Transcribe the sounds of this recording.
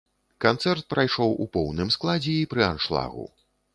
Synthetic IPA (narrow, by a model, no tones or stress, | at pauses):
kant̪sɛrt̪̚pɾajʂɔwʔṵpɔwnɨmsklˠad͡zʲɛipɾɨanʂlˠa̰ɣṵ